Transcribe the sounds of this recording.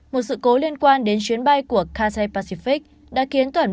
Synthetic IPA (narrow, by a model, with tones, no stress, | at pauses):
mo˨˩t̚sɨ̰˧˨ko˨˦li˧ənkwaː˧nɗe˨˦nt͡ɕwi˨˦ənɓa˧jku˧˩əkaː˧sa˧jpaː˧si˧fi˦˥k̚ | ɗa̰ː˧˥ki˨˦ənt̪waː˨˧˩